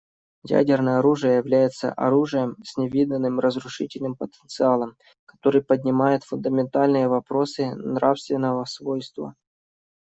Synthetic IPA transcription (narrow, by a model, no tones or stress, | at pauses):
jæ̰dʲɪrnəjəɐɾuʐɨjəjɪvlʲæjɪt̪sə̰ʔɐ̰ɾuʐɨjəmsʲnʲɪvʲid̪ənːɨmrəzɾʊʂɨtʲɪlʲnɨmpət̪ənt̪sɨalˠəm | kɐ̥t̪o̞ɾɨjpədʲnʲɪmajɪt̪fʊnd̪əmʲɪnt̪alʲnɨjəvɐpɾo̞sɨnɾafst̪vʲɪnːəvəsvo̞jst̪və̰